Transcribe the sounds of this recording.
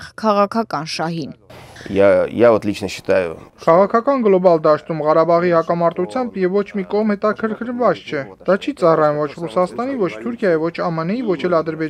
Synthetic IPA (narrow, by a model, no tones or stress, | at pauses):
χkʰɑʁɑkʰɑkɑnʃɑɦinjɑḭjɑvɔt̪lit͡ʃʰnəʃə̥t̪ɑjṵkʰɑʁɑkʰɑkɑnɡlɔbɑld̪ɑʃt̪umʁɑɾɑbɑʁihɑkɑmɑɾt̪ut͡sʰjɑmbjɛvːɔt͡ʃʰmikɔʁmhɛt̪ɑkʰəɾkʰəɾvɑt͡st͡ʃʰɛd̪ɑt͡ʃʰit͡sɑrɑjumvɔt͡ʃʰrusɑst̪ɑnivɔt͡ʃʰt̪ʰuɾkʰjɑjivɔt͡ʃʰɑmənɛivɔt͡ʃʰɛlɑd̪əɾbɛ